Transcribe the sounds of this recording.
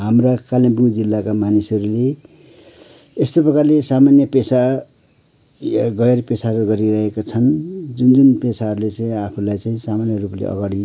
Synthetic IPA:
ɦamrakalibuŋd͡zilːakamanisʌɾule | est̪oprʌkarlesamanjʌpesa | ɡʌjerpesaɾuɡʌɾiɾʌɦekat͡sʰʌnd͡zund͡zunpesaɦʌɾulet͡saĩapʰulajt͡saĩsamanjʌruplḛʔʌ̰ɡaɽi

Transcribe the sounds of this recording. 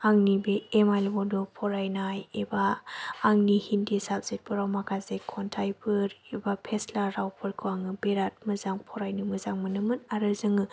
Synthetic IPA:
aŋnibeːmajlbɔdopʰɔɾajnajebaː | ŋnihindisap̚z̥et̚bɯɾawmakʰazekʰɔntʰajpʰɯɾebapʰeslaɾawpʰɯɾkʰɯaŋɯbeɾat̚mɯzaŋpʰɔɾajnɯmɯzaŋmɯnɯmɯnaɾɯzɯŋɯ

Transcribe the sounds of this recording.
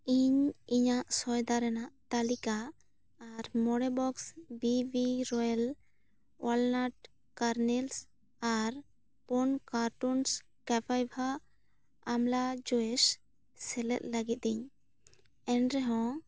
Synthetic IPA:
iɲiɲaʔsɔjd̪aɾɛnaʔt̪alikaː | ɾmɔɽɛbɔksbibiɾɔjal | alnaʈ̚ | kaɾnɛls | aɾ | pɔnkaɾʈuns | kapʰajbʱaː | mlad͡ʒɔɛs | sɛlɛ̰t̪̚ləɡit̪̚ɛɲ | ɛnɾɛɦɔ̃

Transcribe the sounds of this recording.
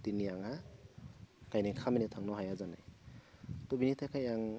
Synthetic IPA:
tinijaŋha | kajnikʰaminetʰaŋnɔɦajazanaj | tɔbinitʰakʰajaŋ

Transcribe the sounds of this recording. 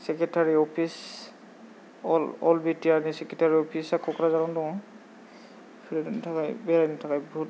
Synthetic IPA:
sɛkɛtaɹiɔpʰis | ɔlɔlbitianisɛketaɹiɔpʰisakːɔkʰɔɾazanɔ̃ndɔ | pʰiɾɛdtʰakajbɛɹajnitʰakajbɔɦut̚

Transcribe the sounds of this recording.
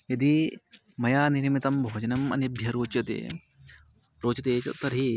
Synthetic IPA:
jɐd̪i | mɐjaːniɾmit̪ɐmbʱoːd͡ʒɐnɐmɐ̰nɐbʱjɐɾoːt͡ʃjɐt̪ḛː | ɾoːt͡ʃɐt̪eːt͡ʃɐ̰t̪ːɐɾɦi

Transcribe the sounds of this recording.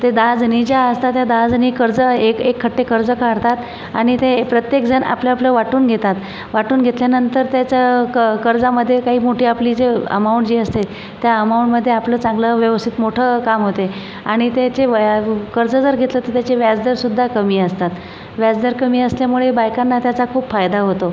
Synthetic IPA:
t̪ed̪ad͡znid͡ʑjaəst̪at̪jad̪ad͡zniːkəɾd͡zəekekʰːəʈːekəɾd͡zəkaɽt̪at̪ | aɽ̃it̪epɾət̪jek̚d͡zʱəna̰plaapləʋaʈuːnɡʱet̪at̪ | ʋaʈuːnɡʱet̪ljanənt̪əɾt̪jat͡ɕakəɾd͡zaməd̪ʱːjekaɦiːmoʈʰiːaplid͡zeə̰mauɳʈd͡ʑiːəst̪e | t̪jaəmauɳʈməd̪ʱːjeapləːt͡sãŋɡləʋjəʋəst̪ʰit̪moʈʰəkamɦot̪e | aɽ̃it̪jet͡ɕeʋkəɾd͡zəd͡zəɾɡʱet̪lət̪əɾt̪jat͡ɕeʋjad͡zd̪əɾsud̪ʱːakəmiːəst̪at̪ | ʋjad͡zd̪əɾkəmiːəsljamuɭebajkanːat̪jat͡sakʰuːpfajd̪aɦot̪o

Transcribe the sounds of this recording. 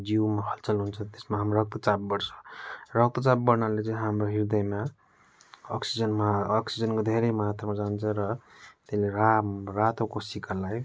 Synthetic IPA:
d͡zimaɦʌlt͡sʌlɦunt͡sʰʌ̃t̪e̥smaɦamoɾʌk̚t̪ut͡sab̚bʌɽt͡sʰʌ̥rʌk̚t̪ut͡sabbʌɾnalet͡sʌĩɦamroɦiɾd̪ʌjma | ʌksid͡zʌnmaːksid͡zʌnkod̪ʱeɾejmʌɦat̪rʌmad͡zant͡sʰʌ̃ɾʌt̪eleɾarat̪okosikalaj

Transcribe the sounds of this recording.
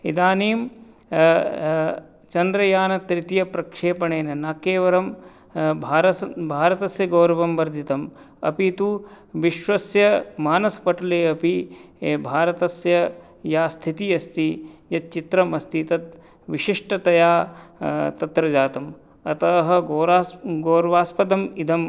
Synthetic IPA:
ḭd̪aːneːm | t͡ʃɐnd̪ɾɐjaːnɐt̪ɾit̪jɐpɾɐkʂeːpɐɳeːnɐnakeːʋɐɾɐm | bʱaːɾɐbʱaːɾɐt̪ɐsjɐɡoːɾɐʋɐmʋɐɾd̪ʱit̪ɐm | ɐ̰pit̪u | ʋiʃʋɐsjɐmaːnɐspɐʈɐleːɐpibʱaːɾɐt̪ɐsjɐ | jaːst̪ʰit̪ijɐst̪ijɐt̪̚t͡ʃit̪ɾɐmɐst̪it̪ɐt̪̚ | ʋiʃiʂʈɐt̪ɐjaː | t̪ɐt̪ɾɐd͡ʒaːt̪ɐm | ɐt̪ɐɦɐ̆ɡoːɾaːɡoːɾɐʋaːspɐd̪ɐmid̪ʱɐm

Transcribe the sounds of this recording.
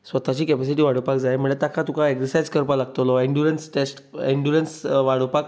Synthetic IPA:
sʋət̪at͡ɕiːkɛpesiʈiːʋaɽ̤əpakd͡zajm̤əɳd͡zet̪akʰat̪ũkʰaeksəɾsajd͡zkəɾpalaɡt̪lɔiɳɖuɾensʈesʈiɳɖuɾensʋaɽəpak̚

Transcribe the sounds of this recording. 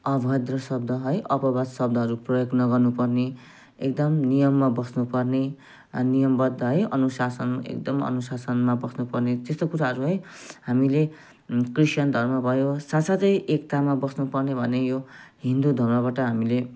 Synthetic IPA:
ʌbʱʌd̪rʌsʌb̚d̪ʱʌɦʌjʔʌpʌbasʌb̚d̪ʱʌɦʌɾuprʌjoɡnʌɡʌrnupʌrne | ek̚d̪ʌmnijʌmːabʌsnupʌrne | nijʌmbʌd̪ʌɦʌjʌ̰nusasʌnḛk̚d̪ʌmʌ̰nusasʌnmabʌsnupʌrnet̪est̪okuɾaɦʌɾuɦʌjhamile | krisʌnd̪ʱʌrmʌbʱʌjosasat͡sʌjʔekt̪amabʌsnupʌrnebʱʌnejoɦind̪ud̪ʱʌmrʌβaʈʌɦamile

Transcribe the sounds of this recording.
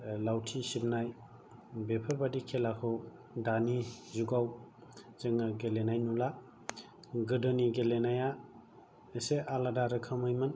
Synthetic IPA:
lawtʰisib̚naj | bepʰɯɾbadikʰelakʰɯw | danizuɡawz̥ɯŋɯɡelenajnula | ɡɯdɔniɡelenaja | eseʔaladaɾɯkʰamɯjmɯn

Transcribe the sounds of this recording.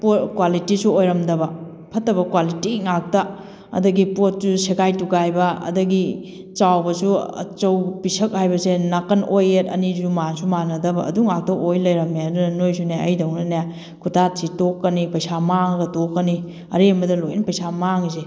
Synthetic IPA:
potkwalitisuojɾɐmdɐbɐ | pʰɐtːɐbɐkwalitiŋak̚tɐ | ɐ̰dɐɡipot̚suseɡajtuɡajbɐɐ̰dɐɡi | t͡ʃawbɐsuɐ̰t͡ʃɐwpisɐk̚hajbɐsenakɐnʔojetɐ̰nizumansumanɐdɐbɐɐ̰duŋak̚tɐʔojlɐjɾɐmeɐdunɐnojsuneɐ̰jdɐwnɐna | kʰutʰatsʰitokːɐnipɐjsamaŋɡɐtokːɐni | ɐ̰ɾembɐdɐlojnɐpɐjsamaŋse

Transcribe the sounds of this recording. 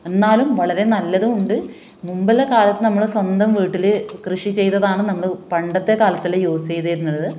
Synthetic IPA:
e̞nːaːlumʋɐɭɐɾe̞nɐlːɐðuuɳɖɨ | mumbɐlekaːlɐt̪ːɨnɐmːɐɭswɐnd̪ɐmʋiːʈːilɨkrɨʂit͡ɕe̞jt̪ːɐðaːɳɨnɐmːɐɭpɐɳɖɐt̪ːe̞kaːlɐt̪ːilejoːsejðejiɾunːɐɭːɐðɨ

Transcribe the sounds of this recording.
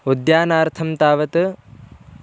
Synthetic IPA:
ud̪jaːnaːɾt̪ʰɐmt̪aːʋɐt̪ɨ

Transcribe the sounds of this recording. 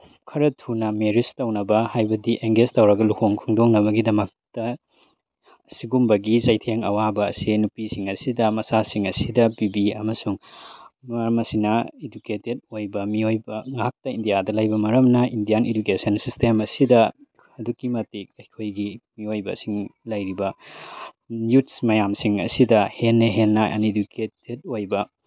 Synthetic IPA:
kʰɐɾɐtʰunɐmeɾistɐwnɐbɐhajbɐdiʔeŋɡestɐwɾɐɡɐlukʰoŋkʰuŋdoŋnɐβɐɡidɐmɐk̚tɐ | siɡumbɐɡizajtʰeŋɐ̰wabɐ̰ːsinupisiŋɐsidɐmɐsasiŋɐsidɐbibiɐ̰mɐsuŋmaɾmɐsinɐeduketed̚ojbɐmiojbɐŋak̚tɐindijadɐlajbɐmɐɾɐmnɐindijanedukesɐnsistʰemɐsidɐ | ɐdukimɐtik̚ɐjkʰojɡimiojbɐ̰siŋlɐjɾibɐ | jutsmɐjamsiŋɐ̰sidɐhenːɐɦenːɐɐ̰neduketed̚ojbɐ

